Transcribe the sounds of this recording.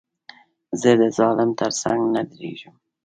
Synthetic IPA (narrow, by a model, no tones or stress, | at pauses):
zəd̪əzɑlɪmt̪ʰəɾsa̰ŋɡnad̪ɾḛʒəm